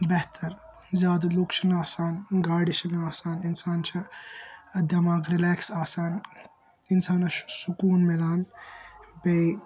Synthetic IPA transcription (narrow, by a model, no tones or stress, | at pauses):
beɦt̪ʰɐɾ | zjaːd̪ɐlukʃʰɐnaːsaːnɡaːɽit͡ʃʰɐlaːsaːninsaːnt͡ʃʰɐ | ɐd̪jɐmaːɡɾileːksaːsaːn | insaːnɐʃsukuːnmelaːn | be